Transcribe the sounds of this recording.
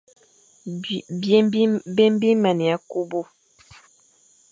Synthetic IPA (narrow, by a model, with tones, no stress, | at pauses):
be˦m˦bi˦mɛ˨ni˨a˦ku˦bu˦